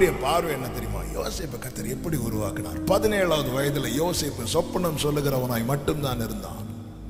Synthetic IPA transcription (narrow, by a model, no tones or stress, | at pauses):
ɾɪjɐpaːɾʋɐɛnːɐt̪ɛɾɪjɯma̰ːjo̰ːseːpːɐkɐt̪ːɐɾɛpːɐɽiʊɾʊʋa̰ːkɪna̰ːɾpɐðɪneːɭaːʋɐðɯʋɐjɐðɪlɐjoːseːpːɐsɔpːɐɳɐmsɔlːɯɣɪɾɐʋɐnaːjmɐʈːɯmt̪aːnɪɾɯnd̪a̰ːn